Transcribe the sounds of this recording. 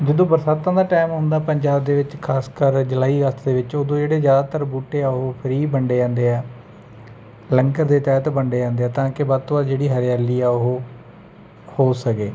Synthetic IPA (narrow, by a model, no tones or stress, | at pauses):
d͡ʒəd̪õːbəɾsaːt̪ːãːd̪aːʈaːɪmɦõːnd̪aːpəɲd͡ʒaːb̚d̪eːʋɪt͡ʃkʰaːskəɾd͡ʒəlaːiːɾəst̪d̪eːʋɪt͡ʃoːd̪õːd͡ʒeːɽeːzjaːd̪aːt̪əɾbuːʈeːɛːoɦopʰəɾiːbəɳɖeːd͡ʒãːnd̪eːɛː | lə̃ŋkəɾd̪eːt̪ɛːt̪bəɳɖeːd͡ʒãːnd̪eːɛːt̪ãːkɪbaːt̪oaːd͡ʒeːɽiːɦəɾɪjaːliːɛːʊɦoː | hoːsəkeː